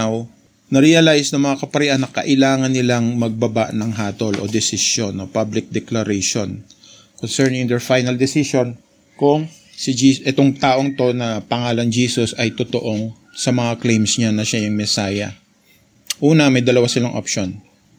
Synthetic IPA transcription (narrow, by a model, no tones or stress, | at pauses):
w | nɐɾɪjɐlajsnɐŋmɐŋakɐpɐɾɪʔanːɐkɐ̰ʔɪlaːŋɐnːɪlaŋmɐɡ̚bɐbaʔnɐŋɦaːt̪o̞lʔo̞̰d̪ɛsɪʃjonːopablɪk̚d̪ɛklɐɾɛjʃon | konsɛɹnɪŋd̪ɛɹfajnɐld̪ɛsɪʃo̞n | kʊŋ | sɪd͡ʒiːʔɛt̪oŋt̪aːʔo̞ŋt̪o̞nɐpɐŋaːlɐnd͡ʒiːsosɐjt̪ʊt̪oʔo̞ŋ | sɐmɐŋaklejmsɲanɐʃajʊŋmɛsaːjɐ̰ | ʔuːnɐmɐjd̪ɐlɐwasɪlaŋʔopʃon